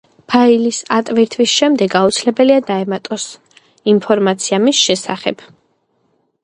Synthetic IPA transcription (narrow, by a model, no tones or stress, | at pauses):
pʰailisat̪ʼviɾt̪ʰvisʃɛmd̪ɛɡaut̪sʰilɛbɛliad̪aɛmat̪ʼɔs | inpʰɔɾmat̪sʰiamisʃɛsa̰χɛ̰b̥